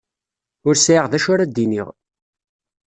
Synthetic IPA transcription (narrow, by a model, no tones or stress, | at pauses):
ʊɾsʕiʁðæʃʊɾæd̪iniʁ